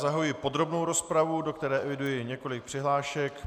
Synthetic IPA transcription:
zaɦojɪpo̞d̪ɾo̞bno̞wɾo̞spɾavudo̞kt̪ɛɾɛːʔɛvɪdujɪɲɛko̞lɪk̚pr̥ɪɦlaːʃɛk

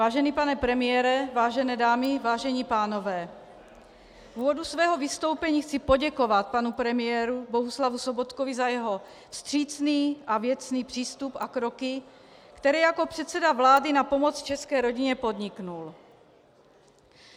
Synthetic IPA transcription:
vaːʒɛniːpanɛpɾɛmɪjɛːɾɛvaːʒɛnɛːdaːmɪvaːʒɛɲiːpaːno̞vɛː | vuːvodusvɛːɦo̞vist̪o̞wpɛɲiːxt͡sipo̞ɟɛko̞vat̪̚panupɾɛmɪjɛːɾuboɦuslavusobot̪kovizajɛɦo̞ | fst̪r̝̥iːt͡sniːʔavjɛt͡sniːpr̝̥iːst̪upakɾokɪ | kt̪ɛɾɛːjako̞pr̝̥ɛt̪t͡sɛdavlaːdɪnapo̞mot͡st͡ʃɛskɛːɾo̞ɟiɲɛpo̞dɲɪknul

